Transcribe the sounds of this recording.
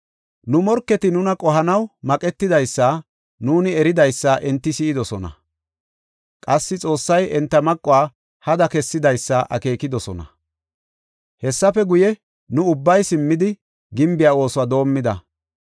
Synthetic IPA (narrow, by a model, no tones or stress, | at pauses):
nʊmɔɾkːɛt̪ɪnʊnɐkʼɔɦɐnɐwmɐkʼɛt̪ːɪd̪ɐjsːɐ | nuːnɪɛɾɪd̪ɐjsːɐʔɛnt̪ːɪsiːɪd̪ɔsɔnɐ̰ | kʼɐsːɪt͡sʼo̞ːsːɐjʔɛnt̪ːɐmɐkʼːʊaː | hɐd̪ɐkɛsːɪd̪ɐjsːɐʔɐ̰ke̞ːkɪd̪ɔsɔ̰nɐ̰ | hɛsːɐfɛɡʊjɛ | nʊʊbːɐjsɪmːɪd̪ɪ | ɡɪmbɪjaːo̞ːsʊaːd̪o̞ːmːɪd̪ɐ